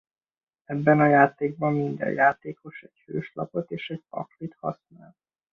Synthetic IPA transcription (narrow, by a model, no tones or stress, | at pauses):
ɛbːɛnɒjaːt̪eːɡ̚bɒmːind̪ɛ̰jjaːt̪eːko̞ʃɛɟhøːʃlɒ̰po̞t̪eːʃɛɟpɒ̰klit̪hɒ̰sna̰ːl